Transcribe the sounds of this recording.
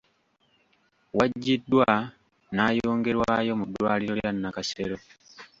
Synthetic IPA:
waɟːidːwa | naːjo̞ːŋɡe̞ɾwajo̞mudːwaːliɾo̞eɾanːakaseɾo̞

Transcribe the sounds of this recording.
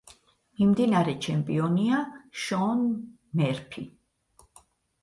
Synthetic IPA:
mimd̪inaɾɛt͡ʃʰɛmpʼiɔniaʃɔn | mɛɾpʰḭ

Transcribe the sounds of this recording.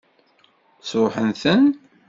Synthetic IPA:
sʊħənθən

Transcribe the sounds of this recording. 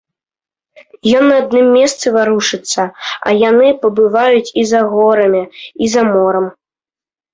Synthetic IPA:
jɔnːɐad̪̚nɨmːʲɛst̪sɨvaɾuʂɨt̪sːɐɐ̰janɨpɐbɨvajut͡sʲizaɣɔɾɐmʲiizamɔɾɐm

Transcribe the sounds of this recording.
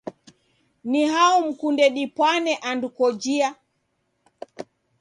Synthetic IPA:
niɦaum̩kundɛɗipwanɛʔandukɔd͡ʒia

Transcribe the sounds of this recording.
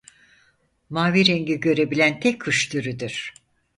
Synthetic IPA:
maːviɾeŋɟiɟø̞ɾe̞bilʲænt̪ʰɛkkyʃt̪ʰyɾyd̪yɾ̥

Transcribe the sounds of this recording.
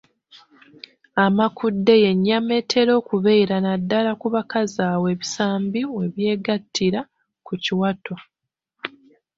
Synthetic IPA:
amakʰudːe̞je̞ɲːame̞tʰe̞ɾo̞ːkuβe̞ːɾanadːalakuβakazaːwe̞ːβisaːmbimwe̞βje̞ːɡatʰːiɾa | kuciwatʰo̞

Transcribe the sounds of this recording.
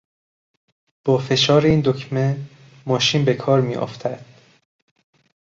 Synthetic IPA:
b̥ɒːfe̞ʃɒːɾeiːnd̪ocʰmen | mɒːʃiːnbe̞kʰɒːɾmḭːʔo̰ft̪ʰæd̪̥

